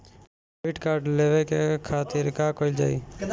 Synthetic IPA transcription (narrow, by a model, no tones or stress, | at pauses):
ʋɪʈkaːɾɖleːʋekekʰaːt̪ɪɾkaːkoːɪld͡ʒa̰ːḭː